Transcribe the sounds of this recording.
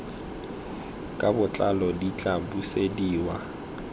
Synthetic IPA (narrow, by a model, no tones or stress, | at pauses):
kʼabʊt͡ɬʼalɔdit͡ɬʼabusediːwa